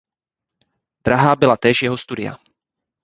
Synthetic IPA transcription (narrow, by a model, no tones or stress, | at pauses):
d̪̥ɾaɦaːbɪlat̪ɛːʃjɛɦost̪udɪa̰